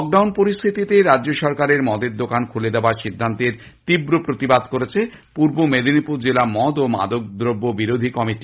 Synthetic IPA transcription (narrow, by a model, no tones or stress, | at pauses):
ɔk̚ɖawnpoɾist̪ʰit̪it̪eɾaʑoʃɔɾkaɾeɾmɔd̪eɾd̪okankʰuled̪eoaɾʃid̪ʱːant̪eɾ | t̪ibɾopɾot̪ibad̪koɾet͡ɕʰe | puɾbomed̪ʱinipuɾd͡ʑelamɔd̪oma̰d̪ok̚d̪ɾobːobiɾod̪ʱikɔmiʈi